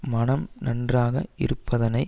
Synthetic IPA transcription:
mɐnɐmnɐndraːɣɐ̰ɪ̰ɾɯpːɐðɐnɐɪ

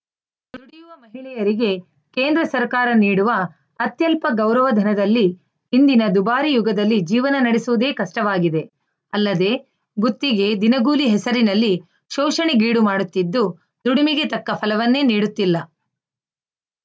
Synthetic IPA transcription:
d̪u̥uɽijuʋɐmɐɦiɭɛjɐɾiɡe̞ | ke̞ːnd̪ɾɐsɐɾkaːɾɐniːɽuʋɐː | t̪jɐlpɐɡɐwɾɐʋɐd̪ʱɐnɐd̪ɐlːi | hind̪inɐd̪ubaːɾijuɡɐd̪ɐlːid͡ʒiːʋɐnɐnɐɽesuʋud̪e̞ːkɐʂʈɐʋaːɡid̪e̞ | ɐlːɐd̪e̞ː | ɡut̪ːiɡe̞d̪inɐɡuːliɦɛsɐɾinɐlːi | ʃɔːʂɐɳiɡiːɽumaːɽut̪ːid̪ːu | d̪uɽimiɡe̞t̪ɐkːɐpʰɐlɐʋɐnːeːniːɽut̪ːilːɐ

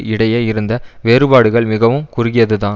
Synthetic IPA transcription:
ɪɽɐjɐːɪɾɯnd̪ɐʋeːɾɯbaːɽɯɣɐɭmɪɣɐʋɯmkʊɾɪɣɪjɐðɯðãː

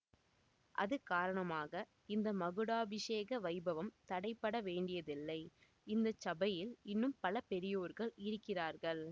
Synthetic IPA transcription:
ʔɐ̰ðɯkaːɾɐɳɐmaːɣɐ | ɪnd̪ɐmɐɣɯɽaːbɪʂeːɣɐʋɐɪbɐʋɐmt̪ɐɽɐɪpːɐɽɐʋeːɳɖɪjɐðɪlːɐɪ | ɪnd̪ɐt͡ʃɐbɐjɪlɪnːɯmpɐlɐpɛɾɪjoːɾɣɐɭɪɾɯkːɪraːɾɣɐɭ

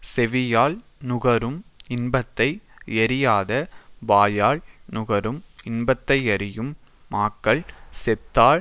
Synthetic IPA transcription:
sɛʋɪjaːɭnʊɣɐɾɯmɪnbɐt̪ːɐɪɛɾɪjaːðɐʋaːjaːɭnʊɣɐɾɯmɪnbɐt̪ːɐɪɐɾɪjɯmː | aːkːɐɭsɛt̪ːaː

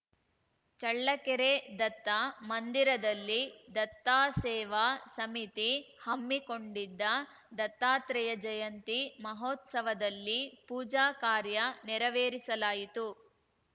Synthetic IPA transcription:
t͡ʃɐɭːɐkɛɾed̪ɐt̪ːamɐnd̪iɾɐd̪ɐlːid̪ɐt̪ːaːsɛːʋaːsɐmit̪ihɐmːikoɳɖid̪ːɐ | d̪ɐt̪ːaːt̪ɾɛjɐd͡ʒɐjɐnt̪imɐɦoːt̪sɐʋɐd̪ɐlːipuːd͡ʒaːkaːɾjɐnɛɾɐʋeːɾisɐlaːjit̪u

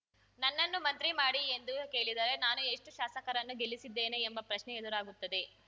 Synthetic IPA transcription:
nɐnːɐnːumɐnt̪ɾimaːɽie̞nd̪uke̞ːɭid̪aːɾe̞naːnue̞ʂʈuʃaːsɐkɐɾɐnːuɡelisid̪ːe̞ːneːmbɐpɾɐʃnɛed̪ɐɾaːɡut̪ːɐd̪e̞

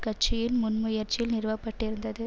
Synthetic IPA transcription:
kɐʈ̚t͡ʃːɪjɪnmʊnmʊjɐɾt͡ʃɪlnɪɾʋɐpːɐʈːɪɾɯnd̪ɐðɯ

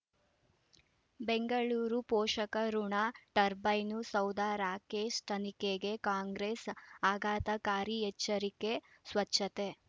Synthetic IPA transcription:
beŋɡɐɭuːɾupɔːʃɐkɐɾuɳaʈɐɾbɐjnusɐwd̪aːɾaːkeːʃt̪ʰɐnikeɡe̞kaːŋɡɾesaːɡaːt̪ɐkaːɾiɛt͡ʃːɐɾikesʋɐt͡ʃʃʰːɐt̪e

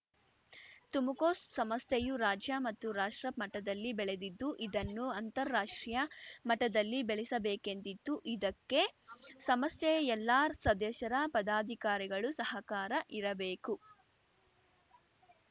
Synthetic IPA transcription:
t̪umukoːssɐmɐst̪ʰejuɾaːd͡ʒjɐmɐt̪ːuɾaːʂʈɾɐmɐʈɐd̪ɐlːibɛɭed̪id̪ːuʔid̪ɐnːuɐnt̪ɐɾːaːʂʈɾijɐmɐʈɐd̪ɐlːibeɭisɐbeːkent̪it̪ːuʔid̪ɐkːe̞sɐmɐst̪ʰɛɛlːaːsɐd̪ɛːʃɐɾɐpɐd̪aːd̪ʱikaːɾiɡɐɭusɐɦɐkaːɾɐʔiɾɐbeːku

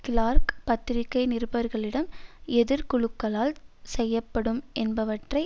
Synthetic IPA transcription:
kɪlaːɾkpɐt̪ːɪɾɪkːɐɪnɪrɯbɐɾɣɐɭɪɽɐmɛðɪɾkʊɭɯkːɐlaːlsɛjːɐpːɐɽɯmʔɛnbɐʋɐʈrɐɪ

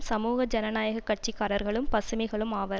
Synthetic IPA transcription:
sɐmuːɣɐd͡ʒɐnɐnaːjɐɣɐkːɐʈ̚t͡ʃɪkːaːɾɐɾɣɐɭɯmpɐsɯmɐɪɣɐɭɯmaːʋɐɾ

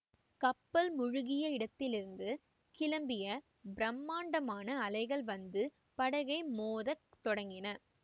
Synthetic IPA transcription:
kɐpːɐlmʊɻʊɣɪjɐɪɽɐt̪ːɪlɪɾɯnd̪ɯ | kɪlɐmbɪjɐ | bɾɐmːaːɳɖɐmaːnɐːlɐɪɣɐɭʋɐnd̪ɯ | pɐɽɐɣɐɪmoːðɐt̪ɔɽɐŋɡɪnɐ

